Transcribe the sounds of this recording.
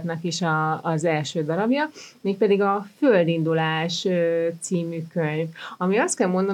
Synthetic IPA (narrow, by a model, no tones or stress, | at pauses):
t̪nɒkiʃɒːzɛlʃøːd̪ɒɾɒbjɒmeːk̚pɛd̪iɡɒføld̪ind̪ulaːʃøt̪siːmykøɲvɒmiɒst̪kɛlmo̞nd̪ɒ